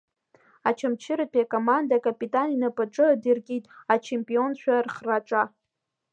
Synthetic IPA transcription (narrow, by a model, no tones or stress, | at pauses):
at͡ʃʰamt͡ʃʰɪɾapʰʼiakʼomandakʼapʼitʼaninapʼaʈ͡ʂʼɨdɨrkʲʼitʼat͡ʃʰe̞mpʼio̞nʃᶣarχraʈ͡ʂʼa